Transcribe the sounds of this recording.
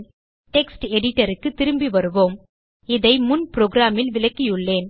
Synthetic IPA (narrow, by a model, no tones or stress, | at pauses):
ʈɛksʈɛɽɪʈːɐɾɯkːɯt̪ːɪɾɯmbiʋɐɾɯʋoːm | ɪðɐɪmʊnpɾoːɡɾaːmɪlʋɪlɐkːijɯɭːeːn